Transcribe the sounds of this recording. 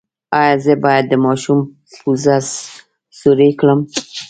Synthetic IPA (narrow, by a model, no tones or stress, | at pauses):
ɑjɑzəbɑjad̪̚ːəmɑʃum | puzas | suɾekləm